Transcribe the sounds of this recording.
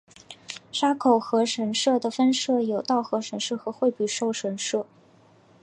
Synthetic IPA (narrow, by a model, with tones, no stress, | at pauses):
ʂa˥kʰo˨˩ʊxɤ˧˥ʂə˧˥nʂɤ˥˩d̪ə˩fə˥nʂɤ˥˩jo˨˩ʊt̪ɑ˥˩ʊxɤ˧˥ʂə˧˥nʂɤ˥˩xɤ˧˥xwe˥˧ɪpy˥˩ʂo˥˩ʊʂə˧˥nʂɤ˥˩